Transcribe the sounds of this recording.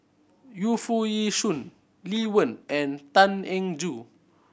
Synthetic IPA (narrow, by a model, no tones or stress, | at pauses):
jufujiʃun | liwə̃nʔɛ̃nt̪ãnɛ̃ŋd͡ʒu